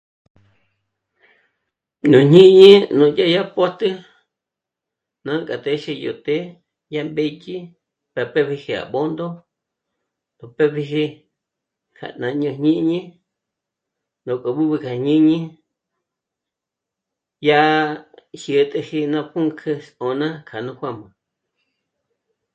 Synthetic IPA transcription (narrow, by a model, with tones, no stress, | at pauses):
ɲũ˨ɲĩ˦ɲĩ˦nũ˨ja˦ja˦po˦t̪ɨ˦ | nã˦˧kʼa˨t̪e˧ʃi˧jo̰˨t̪e˦ | ja˦mbe˧t͡ʃi˦ | pa˨pe˦βi˧hi˧a̰˨βo˦nd̪o˦ | d̪o˨pe˦βi˧ɦi˧ | kʰa̰˨nã˧ɲũ˧ɦɲĩ˦ʔɲĩ˦ | nõ˨ko˨βu˦βɨ˧kʰa˨ɲĩ˦ɲĩ˦ | ja˦ʔ | ʃɨ˨t̪ʼe˧hi˧nã˧pũ˦ŋkʰɨ˧so˨nã˦kʰa˨nũ˧hʷwã˦˨mã˨